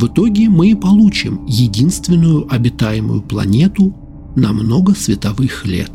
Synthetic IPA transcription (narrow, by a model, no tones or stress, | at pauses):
vɨt̪o̞ɡʲɪmɨpɐlˠut͡ɕɪmjɪdʲinst̪vʲɪnːʊjʊʔɐbʲɪt̪ajɪmʊ̰jʊplˠɐ̰nʲe̞t̪ʊ | nɐmno̞ɡəsvʲɪt̪ɐvɨxlʲḛt̪